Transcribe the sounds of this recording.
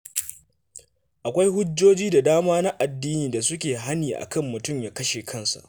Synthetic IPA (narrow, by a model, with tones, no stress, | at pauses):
ʔa˨kʷa˦jhʊ˦d͡ʒːoː˦d͡ʒiː˦da˨daː˦maː˦na˦ʔa˨dːiː˦niː˨da˨sʊ˦kʲeː˨ɦa˦niː˨ʔa̰˨kɐ˦˨mːʊ˨tʊ˦˨mjaː˨kɐ˦ʃe˨kʰɐ˦nsa̰˨ʔ